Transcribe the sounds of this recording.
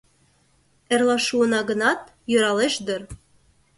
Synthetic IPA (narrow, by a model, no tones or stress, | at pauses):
erlɑʃuənɑɣə̆nɑt̪̚ | jø̆ɾɑleʃd̪ɤ̆r